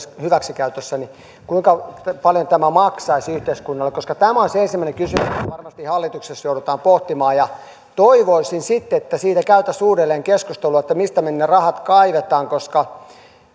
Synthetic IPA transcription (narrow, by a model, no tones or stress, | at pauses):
hyʋæksikæyt̪øsːæni | kuiŋkɑpɑljont̪æmæmɑksɑisyht̪eiskunːɑlːekoskɑt̪æmæonseensimːæˑinekysymysɑrmɑst̪ihɑlːit̪uksesjouɾut̪ɑːmpoht̪imɑːjɑ | t̪oiʋoisinsit̪ːeet̪ːæsiːt̪ækæyt̪æsuːrelːeːŋkeskust̪eluɑet̪ːæmist̪æmenːerɑhɑt̪kɑiʋet̪ɑːŋkoskɑ